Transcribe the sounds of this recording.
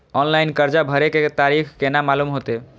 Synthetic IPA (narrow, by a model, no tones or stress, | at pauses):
ɔnlainkəɾd͡ʒabʱəɾeket̪aɾikʰkenamalumɦot̪e